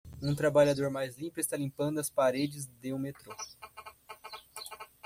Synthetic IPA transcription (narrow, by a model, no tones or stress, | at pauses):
ũt̪ɾabaʎad̪oɾmajzlĩmpʊɪst̪alĩmpɐ̃nd̪ʊɐspaɾed͡ʒɪzd̪eũmet̪ɾo